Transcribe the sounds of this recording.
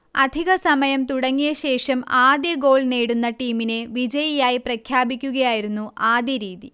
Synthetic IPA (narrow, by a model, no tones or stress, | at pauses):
ɐd̪ʱiɣɐsɐmɐjɐmt̪uɽɐŋːijɐɕe̞ːʂɐmaːd̪jɐɡo̞ːɭneːɽunːɐʈiːmine̞ʋid͡ʑɐjijaːjiprɐkʰjaːbikʲːuɣɐjaːjiɾunːuʔaːd̪jɐɾiːði